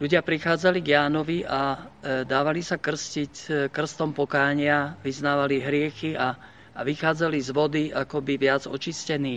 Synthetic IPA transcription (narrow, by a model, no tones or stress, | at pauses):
ʎuɟɪapɾixaːd͡zaliɡjaːnɔʋiʔad̪aːʋalisakr̩scickr̩st̪ɔmpɔkaːɲɪaʋiznaːʋaliɦɾɪɛxia | ʋixaːd͡zalizʋɔd̪iakɔbiʋɪad͡zɔ̰t͡ʃiscɛniː